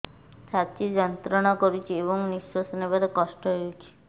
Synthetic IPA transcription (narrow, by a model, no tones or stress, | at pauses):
sʰat͡ʃid͡ʒɔnt̪ɾɔɽ̃ɔkɔɾut͡ʃʰieβɔŋniʃwasɔnebaɾekɔʃʈɔɦeut͡ʃʰi̥